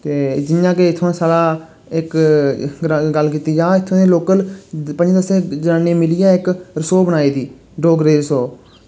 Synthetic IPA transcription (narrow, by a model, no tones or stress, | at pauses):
t̪eːd͡ʒɪnjãːkeːɪt̪ʰːõsaːlaː | ɪk | ɡəlkiːt̪iːd͡ʒaːɪt̪ʰːõːnẽːloːkəlpənd͡ʒd̪əsẽːd͡ʒənaːneːmɪlɪjaːɪkɾəsoːbənaːiːd̪iː | ɖoːɡɾeːɾəsoː